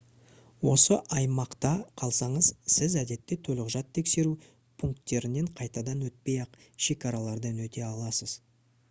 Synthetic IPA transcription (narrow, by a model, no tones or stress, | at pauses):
wo̞səʔɑjmɑqt̪ɑqʰɑlˠsɑɴəzsɪzæd̪e̞t̪ːe̞t̪ʰɵlɪʁʒɑt̪ʰːe̞kse̞ɾu | pʰuŋkt̪ːe̞ɾɪne̞ɴqʰɑjt̪ɑd̪ɑnwɵt̪̚pe̞jɑq | ʃe̞kʲɑɾɑlˠɑɾd̪ənwɵt̪e̞ɑlˠɑsəz̥